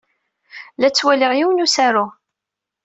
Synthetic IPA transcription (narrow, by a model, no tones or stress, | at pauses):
læt͡sːwælɪʁjiwnusæɾʊ